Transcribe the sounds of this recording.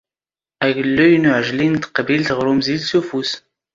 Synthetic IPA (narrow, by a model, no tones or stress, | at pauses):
æʝəlːujnʊʕəʒlint̪ə̥qbilt̪ʁɾumzilsufus